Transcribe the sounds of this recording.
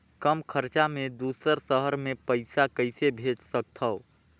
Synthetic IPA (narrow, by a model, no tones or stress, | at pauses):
kəmkʰəɾt͡ʃamẽd̪uːsəɾsəɦəɾmẽpəɪsakəɪsebʱeːt͡ʃsək̚t̪ʰəo